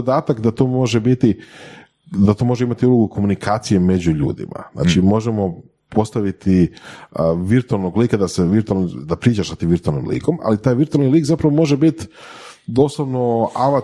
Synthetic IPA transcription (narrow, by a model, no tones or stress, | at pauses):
od̪aːt̪akd̪at̪oːmo̞ʒebit̪i | d̪at̪o̞mo̞ʒeimat̪iuloɡuko̞munikʰaːt̪sije̞me̞d͡ʑuʎṵːd̪ḭma̰na̰ːt͡ʃimo̞ʒemo̞ | pʰo̞st̪aʋit̪i | ʋiɾt̪ualˠnoɡliːkad̪aseʋiɾt̪ualnod̪apɾiːt͡ʃaʃsat̪iːmʋiɾt̪ualnḭmlḭːko̞ma̰lit̪aːjʋiɾt̪ualˠniliːkzapɾaʋomo̞ʒebit̪d̪o̞ːslˠaʋnoaʋa